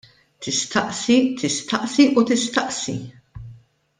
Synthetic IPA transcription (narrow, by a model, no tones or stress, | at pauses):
t̪ɪst̪ɐʔsit̪ʰɪst̪ɐʔsiʔut̪ɪst̪ɐʔsḭ